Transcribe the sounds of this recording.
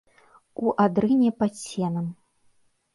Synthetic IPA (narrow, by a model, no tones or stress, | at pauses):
uʔad̪ɾɨnʲɛpasʲɛnɐm